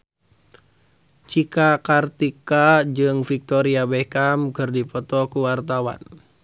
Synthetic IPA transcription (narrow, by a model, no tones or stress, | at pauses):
t͡ʃikakart̪ikad͡ʒɨŋfik̚t̪ɔɾiabɛkamkərdipɔt̪ɔkuwart̪awa̰n